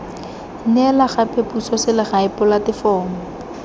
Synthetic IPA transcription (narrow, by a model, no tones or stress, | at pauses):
nɛlaχapepusɔsɪlɪχaɪpʊlatɪfɔːm̩